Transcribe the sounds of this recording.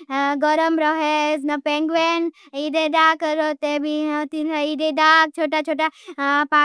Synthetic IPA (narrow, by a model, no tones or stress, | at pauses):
ɡɔɾəmɾɔɦesnɐpẽŋɡʋen | iɖeɖaːkəɾot̪ebʱit̪inaiɖeɖak̚t͡ʃʰoːʈat͡ʃʰoːʈapa